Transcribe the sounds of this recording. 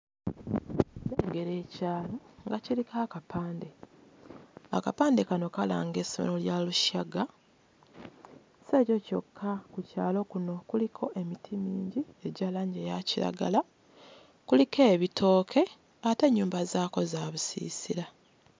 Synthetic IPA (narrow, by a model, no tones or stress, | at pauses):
eːɡe̞ɾe̞ːcaːlo̞ŋɡacilikʰaːkapʰaːnde̞ | a̰kapaːnde̞kano̞kala̰ːŋɡe̞ːsomḛɾo̞ljaluʃaɡa | se̞ːco̞co̞̰kʰːakucaːlo̞kuno̞kulikʰo̞ʔe̞mitʰimiːɲɟie̞ɟalaːɲɟejaciɾa̰ɡa̰la | kulikʰeːβitʰo̞ːkʰe̞ | ate̞ɲːuːmbazaːko̞zaːβusḭːsiɾa